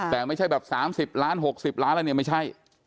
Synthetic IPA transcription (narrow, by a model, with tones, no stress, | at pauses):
t̪ɛː˨˩ma˥˩jt͡ɕʰa˥˩jbɛː˨˩p̚saː˩˦msi˨˩p̚laː˦˥nɦo˨˩k̚si˨˩p̚laː˦˥nlːni˥˩ma˥˩t͡ɕʰa˥˩j